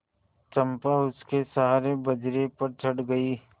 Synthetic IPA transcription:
t͡ʃɐ̃mpaʊskesaːɾebɐd͡ʒɾepɐɾt͡ʃʰɐɽɡɐiː

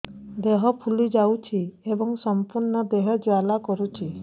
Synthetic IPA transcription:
d̪eɦɔpʰulid͡ʒawt͡ʃʰiebɔŋsɔmpuɾɳɔd̪eɦɔd͡ʒwalakɔɾut͡ʃʰi

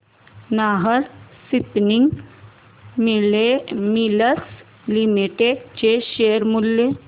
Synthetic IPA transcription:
naɦəɾsipniŋɡ | emiləs | limiʈeɖt͡ɕeɕejəɾmulje

